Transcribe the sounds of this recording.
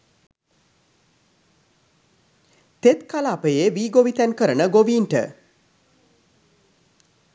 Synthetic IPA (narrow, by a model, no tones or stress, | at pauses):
t̪et̪kalaːpəjeʋiːɡoʋit̪ænkəɾənəɡoʋiːnʈə̰